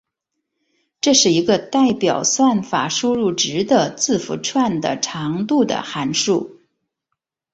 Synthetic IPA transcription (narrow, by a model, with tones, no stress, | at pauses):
ʈ͡ʂɤ˥˧ʂɻ̩˥˩i˧˥ɡə˧t̪a˥˩ɪpjɑ˨˩ʊswa˥˩nfa̰˨˩ʂu˥ɻu˥˩ʈ͡ʂɻ̩˧˥d̪ə˧t͡sɹ̩˥˩fṵ˨˧˥ʈ͡ʂʰwa˥˩nd̪ə̰˩ʈ͡ʂʰɑ˧˥ŋt̪u˥˩d̪ə̰˩xa˧˥nʂu˥˩